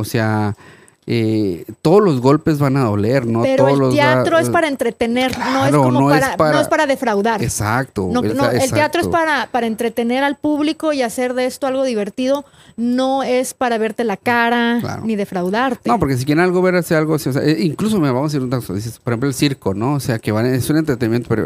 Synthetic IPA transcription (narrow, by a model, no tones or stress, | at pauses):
osea | et̪oðolo̞zɣo̞lpe̞zβanaðo̞̰leɾnopeɾooeolloeaɾoespaɾaent̪ɾet̪eneɾnoeɾoonmooeɾspaɾoaepaɾaðe̞fɾawðaɾesak̚t̪onoenoeeleat̪ɾoespaɾapaɾaent̪ɾe̞t̪e̞ne̞ɾalpuβliko̞iase̞ɾðee̞st̪oalɣo̞ðiβe̞ɾt̪iðo̞ | no̞e̞spaɾaβe̞ɾt̪elakaɾala̰ɾo̰niðe̞fɾawðaɾt̪eno̞p̬oɾkes̬ik̬jeɾenalɣo̞βeɾasealɣosios̬ḛʔeiŋklus̬omiɾaβamosaiɾunt̪akosa̰ðis̬espoɾexemploelsiɾkonooseakeβaesunent̪ɾet̪enimjent̪opeɾo̰